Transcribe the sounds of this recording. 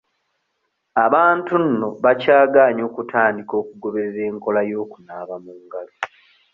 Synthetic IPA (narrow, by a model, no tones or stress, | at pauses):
aβaːntunːo̞βacaːɡaːɲo̞ːkutʰaːndiko̞ːkuɡo̞βe̞ɾeɾe̞ːŋko̞lajo̞ːkunaːβamuːŋɡalo